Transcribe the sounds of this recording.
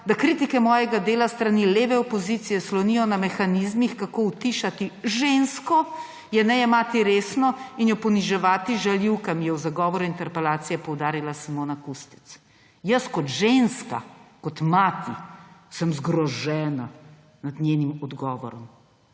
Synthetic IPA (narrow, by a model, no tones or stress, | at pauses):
d̪akɾit̪ikɛmɔːjɛɡad̪eːlast̪ɾanileːʋɛɔpɔzit̪sijɛslɔnijɔnamɛxanizmixkakowt̪iʃat̪iʒenskɔ | jɛnɛjɛmaːt̪iɾesnɔinjɔpɔniʒɛʋaːt̪iʒaljiwkamijɛwzaɡɔːʋɔɾuint̪ɛɾpɛlaːt̪sijɛpɔwd̪aːɾilasamoːnakust̪i̥t̪s | jəskɔt̪ʒenska̰kɔt̪mat̪isəmzɡɾɔʒɛːna | nad̪neːnimɔd̪ɡɔːʋɔ̰ɾɔ̰m